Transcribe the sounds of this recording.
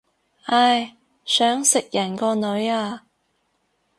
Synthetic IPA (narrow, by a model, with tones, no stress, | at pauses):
ʔɐ˧j | sœː˨˥ŋsɪ˨k̚jɐ˨˩nkɔː˧nɵ˨˧ɥaː˧